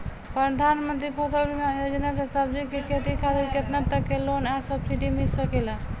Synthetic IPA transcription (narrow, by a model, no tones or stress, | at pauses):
pɾəd̪ʱanmənt̪ɾipʰot̪əlbimeajod͡ʒnasesəbd͡ʒikiket̪ikʰat̪iɾket̪nat̪ːəkːelonasəb̚siʈimilsəkela